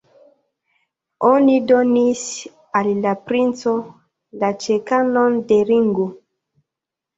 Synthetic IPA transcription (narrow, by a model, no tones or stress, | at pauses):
onidonis | alːapɾint͡so | lat͡ʃekanondeɾiŋɡo